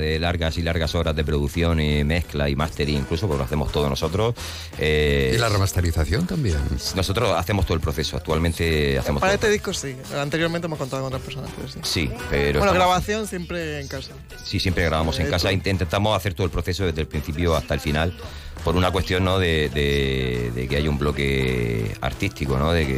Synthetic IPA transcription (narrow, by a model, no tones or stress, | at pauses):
ðelaɾɣasilaɾɣaso̞ɾazðepɾoðuθjo̞nime̞hklaimast̪e̞ɾiiŋklusopoloa̰θe̞mo̞ht̪oðono̞so̞t̪ɾos | eilaremast̪eɾiθaθjont̪ambjenno̞so̞t̪ɾosa̰θemost̪olpɾoθe̞soa̰k̚t̪ualmẽnt̪ea̰θemopaɾaet̪eðihkosi | ant̪e̞ɾjoɾment̪eemokont̪aðkonot̪ɾapeɾsonat̪oðesisipeɾoenoɣɾaβaθjo̞nsjempɾeːŋkasa | sisjempɾeɣɾaβamo̞se̞ŋkasaint̪int̪e̞nt̪amo̞saθe̞ɾt̪olpɾoθe̞s̬oðe̞zðelpɾin̟θipjoast̪aelfinalpo̞ɾunakwe̞st̪jo̞nːoðeðeðe̞̰keajaumblo̞ke̞ | a̰ɾt̪ist̪ikonoðekḛ